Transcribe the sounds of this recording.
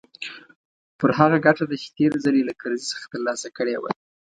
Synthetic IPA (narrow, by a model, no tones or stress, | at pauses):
pəɾɦaɣaɡaʈad̪at͡ʃe̥t̪eɾazənelakəɾzisə̥xḁt̪əlɑsakəɽewa̰